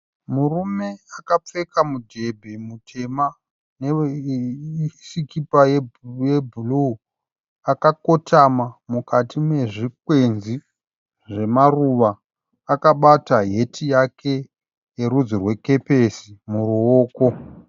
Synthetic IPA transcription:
murume̞akap͡fe̞kamudʱe̞bʱe̞mutʰe̞ma | ne | sikipajejebʱulu | akako̞tʰamamukatime̞ʐikwenzi | ʐe̞maruʋaː | kaɓataɦe̞tʰijakʰe̞ | je̞ɾud͡zirwe̞ke̞pe̞simuruoːko̞

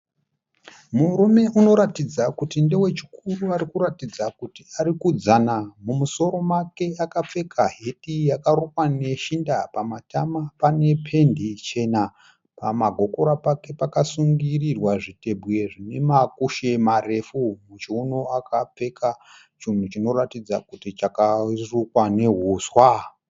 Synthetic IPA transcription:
muɾume̞ʔuno̞ɾatid͡zakutinde̞we̞t͡ʃi̥kʰuruaɾikuɾatid͡zakutiaɾikud͡zanamumuso̞ɾo̞make̞akap͡fe̞kʰaɦe̞tijakaɾukwane̞ʃindapamatamapane̞pʰe̞ndit͡ʃe̞na | pamaɡʱo̞ko̞ɾapake̞pakasuŋɡirirwaʐite̞bʱwe̞ʐine̞makuʃe̞mare̞fumut͡ʃeunoakap͡fe̞kʰa | t͡ʃin̤ut͡ʃino̞ratid͡zakutit͡ʃakarukwaneɦuːswa

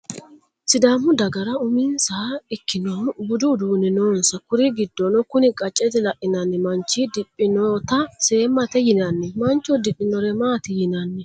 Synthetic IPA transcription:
sɪd̪amːʊd̪ɐɡɐɾɐʊmɪnsaɪkːɪnonbʊd̪ʊd̪uːnɛnoːnsɐkʊɾɪɡɪd̪ːɔnɔkʊnɪkʼɐt͡ʃʼːɛt̪ɪlɐʔɪnɐnːɛmɐnt͡ʃːid̪ɪpʼːɪnoːt̪ɐseːmːɐt̪ɛjɪnɐnːɛmɐnt͡ʃːɔd̪ɪʔɪnɔɾɛmaːt̪ɪjɪnɐnːɛ

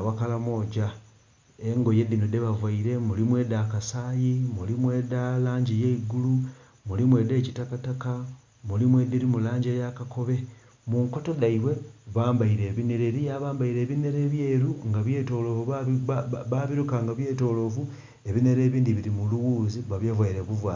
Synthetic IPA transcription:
wakalamo̞ːɟa | eŋɡo̞je̞d̪inode̞βavwaiɾe̞mulimwe̞ːdakasaːjimulimwe̞ːdalaːɲɟijeiɡulu | mulimwe̞ːde̞ːcitakataka | mulimwediɾimulaːɲɟejakako̞βe̞ | muŋko̞to̞daiβwe̞βaːmbaiɾe̞ːβine̞ɾeɾijaβaːmbaiɾe̞ːβine̞ɾe̞ːβje̞ːɾuŋɡaβje̞ːto̞ːlo̞vu | βaβiɾukaːŋɡaβje̞ːto̞lo̞vu | e̞βine̞ɾe̞ːβiːndiβiɾimuluwuːziβaβjavwajiɾe̞βuvwaː

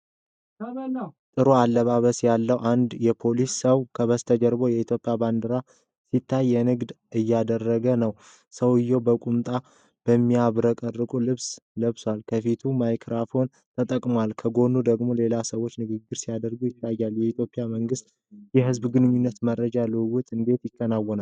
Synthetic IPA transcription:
t̪ʼɨɾoalːəβaβəsjalːəwʔand̪jɛpʰo̞lisːəwkʰəβəst̪ʰəd͡ʒɛɾbojɛit̪ʰjo̞pʼjaband̪əɾa | sit̪ʰːajːɛnɨɡd̪ | ɨjːad̪ərːəɡənəw | səwɨjːowbəkʼumt̪ʼa | b̥əmːiaβɾəkʼərːɨkʼulɨβsləβswalkʰəfit̪ʰumajkʰɾafo̞n | t̪ʰət̪ʼəkʼmoalkʰəɡo̞nud̪əɡmo̞le̞lasəwo̞t͡ʃːnɨɡɨɡːɨɾsijad̪əɾɡujɪt̪ːajːaljɛit̪ʰjo̞pʼijaməŋɡɨst̪ | jɛɦɨzbɡɨnɲːunːət̪məɾːəd͡ʒalɨwʊt̪ʼɨnd̪e̞t̪jɪkːənawːɔnal

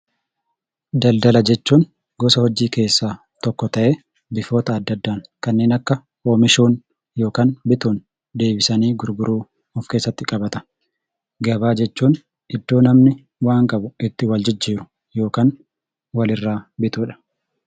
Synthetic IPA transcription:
d̪ɐld̪ɐlɐd͡ʒɛt͡ʃːuːn | ɡɔsɐhɔd͡ʒiːke̞ːsːaː | t̪ɔkːɔt̪ɐʔe | bɪfo̞ːt̪ɐːd̪ːɐd̪ːaːnkɐnːeːnɐkːɐ | oːmɪʃuːn | jo̞ːkaːnbɪt̪uːn | d̪e̞ːbɪsɐniːɡʊɾɡʊɾuː | ɔfke̞ːsːɐt̪ːɪkʼɐbɐt̪ɐ̥ | ɡɐbaːd͡ʒɛt͡ʃːuːn | ɪd̪ːoːnɐmnɪ | waːŋkʼɐbʊɪt̪ːɪwɐld͡ʒɪd͡ʒːiːɾʊ̥ | jo̞ːkaːn | wɐlɪrːaːbɪt̪uːᶑɐ̥

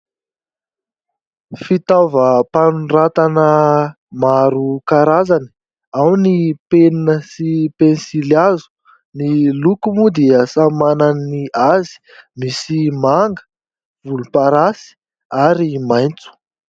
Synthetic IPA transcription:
fit̪avəpanurat̪anə | maɾukaɾazani̥ | awnipeninəsipensilazu̥ | nilukumud̪eəsamananniazi̥ | misimaŋɡə̥ | vulupaɾasi̥ | aɾimajnt͡su̥

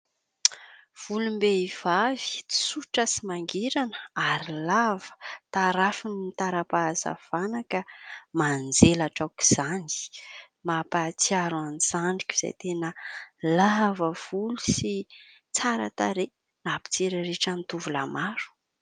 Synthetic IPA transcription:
v̥ulumbeiv̥avi̥t͡si̥suʈ͡ʂəsimaŋɡiɾanəaɾilavə̥t̪aɾafinimit̪aɾapaza̰v̥anakəmand͡zelaʈ͡ʂawki̥z̥ani̥ | mapat͡siaɾanz̥aɳɖ͡ʐikʲuiz̥a̰jt̪enəlavəv̥ulusi | t͡saɾa̰t̪aɾe | napi̥t͡seɾaɾeʈ͡ʂant̪uvula̰maɾu̥

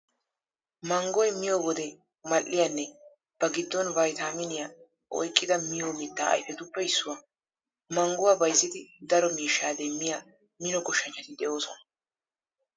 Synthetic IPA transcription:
mɐŋɡɔjmɪjɔwɔd̪ɛ | mɐlʔːɪjanːɛ | b̥ɐɡɪd̪ːɔnbɐjt̪aːmɪnɪja | ʔɔ̰jkʼːɪd̪ɐmɪjoːmɪt̪ːa̰ːɐ̰jfɛt̪ʊpːɛɪsːʊwa | mɐŋɡʊwaːbɐjzːɪd̪ɪd̪ɐɾɔmiːʃːaːd̪ɛmːɪja | mɪnɔɡɔʃːɐɲt͡ʃːɐt̪ɪd̪ɛʔo̞ːsɔnɐ

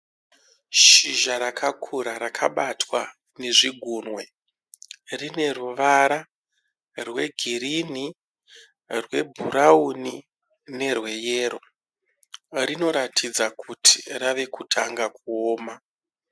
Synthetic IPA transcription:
ʃiʒaɾakʰakʰuɾaɾakʰaɓatʰwa | ne̞ʐiɡʱuːnwe̞ | rine̞ruʋaɾa | rwe̞ɡʱiɾini | rwe̞bʱuɾauni | ne̞rwe̞jeːɾo̞ | rino̞ɾatʰid͡zakʰutʰi̥raʋe̞kutʰa̰ŋɡakuoːma

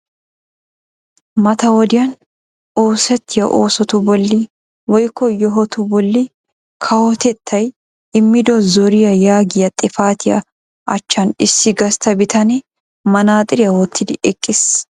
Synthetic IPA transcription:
mɐt̪ɐwɔd̪ɪjɐn | oːsɛt̪ʰːɪjɐʔoːsɔt̪ʊbɔlːi | wɔjkːɔjɔɦɔt̪ʊbɔlːi | kʰɐwɔt̪ɛt̪ʰːɐj | ɪmːɪd̪ɔzɔɾɪjɐjaːɡɪjɐt̪ʼɪfaːt̪ɪjɐ̰ | ʔɐ̰t͡ʃːɐnɪsːɪɡɐst̪ɐbɪt̪ʰɐnɛ | mɐnaːt̪ʼɪɾɪjɐwɔt̪ʰːɪd̪ɪɛkʼːɪs

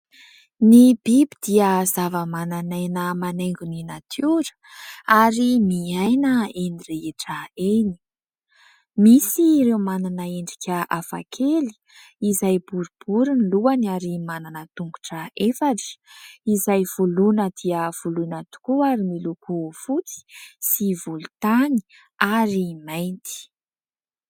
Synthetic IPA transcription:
nib̥ibid̪̥iəzavəmananajnəmaneŋɡuninat̪ʰuɾə̥ | aɾimiajnəenireeʈ͡ʂəeni̥ | misirewmananəeɳɖ͡ʐikʲʰəafa̰kʰeli̥ | izajbuɾub̥uɾiniluanaɾimananət̪uŋɡuʈ͡ʂəefaʈ͡ʂi̥izajv̥ulunəd̪̥iəv̥ulunat̪u̥kuaɾimilukʰufut͡si̥sivulut̪ani̥ | aɾimajnt̪i̥

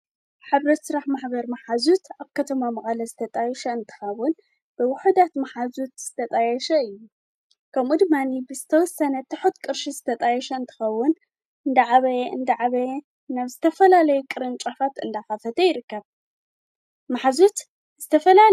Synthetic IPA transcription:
ħaβɾɐt̪sɨɾaħmaħbɐɾmaħazut̪aβkʰɐt̪ʰɐmamɐχʼalɐzɨt̪ʰɐt̪ʼajɛʃɐɨnt̪ʰɨ̥xɐwːʊn | b̥ɨwʊħud̪at̪maħazut̪z̥ɨt̪ʰɐt̪ʼajɛʃɐɨjːu | kʰɐmud̪ɨmanibɨzɨt̪ʰɐwɔsːɐnɐt̪ʰɨħut̪kʼɨɾʃizɨt̪ʰɐt̪ʼajɛʃɐɨnt̪ʰɨ̥xɐwːʊn | ɨnd̪ɐʕaβɐjɨnd̪ɐʕaβɐj | naβzɨt̪ʰɐfɐlalɐjukʼɨɾɨnt͡ʃʼafat̪ɨnd̪axafɐt̪ʰɐjɪɾɨkːɐβ | maħazut̪ | z̥ɨt̪ʰɐfɐla

